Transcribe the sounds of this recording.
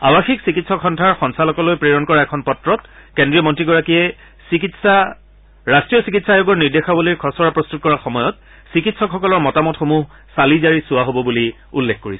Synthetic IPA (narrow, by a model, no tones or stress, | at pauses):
abaxiksikitsɔkxɔndʱaɹxɔnsalɔkɔlojpɹeɹɔnkɔɹaɛkʰɔnpɔtɹɔt̚kendɹiɔmɔntɹiɡɔɹakiɛ | sikitsa | ɹastɹijɔsikitsajʊɡɔɹniɹdexabolijkʰɔsɔɹapɹɔst̪ut̚kɔɹaxɔmɔjɔt̚ | sikitsɔkxɔkɔlɔɹmɔtamɔtxomuɦ | salizaɹisʊwaɦobɔbuli | ulːexkoɹisɛ